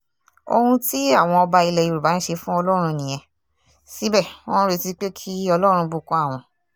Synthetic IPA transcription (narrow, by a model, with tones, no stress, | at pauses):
o̰˧hũ˧ti˦a˦˨w̃ɔ̃˧ɔ˧ba˧i˧lɛ˨i˧˨ɾu˨ba˨˦n̩˦ʃe˧fũ˦ɔ˧lɔ˦ɾ̃ũ˧nĩ˨ɛ̃˧ | si˦bɛ˦˨õ˦ũ˦ɾe˨˧ti˦k͡pe˦kʰi˦ɔ˧lɔ˦˧ɾ̃ũ˧bu˦˨kɔ̃˨˦a˦˨w̃ɔ̃˧